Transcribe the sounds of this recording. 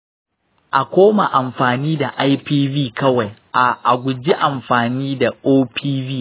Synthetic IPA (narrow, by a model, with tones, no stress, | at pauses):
ʔa˨kʷoː˦ma˨ʔa˨mɸaː˨niː˦da˨ʔa˦jpiː˦biː˦˨kɐ˦wa˨jʔa˨ʔa˨ɡʷʊ˨d͡ʒi˦ʔa˨mɸaː˨niː˦da˨ʔoː˦pʰiː˦biː˦˨